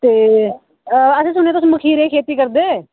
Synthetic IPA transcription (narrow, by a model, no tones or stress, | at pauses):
t̪eː | əsẽːs̬ʊneːt̪oʊsːməkʰiːɾeːkʰeːt̪iːkəɾd̪eː